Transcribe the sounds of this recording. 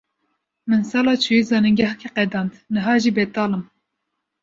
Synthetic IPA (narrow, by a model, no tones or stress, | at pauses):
mɨnsɑːlɑːt͡ʃʰujizɑːnɨŋɡɑhkʰiqɛd̪ɑːnd̪nɨɦɑːʒibɛt̪ɑːlɨm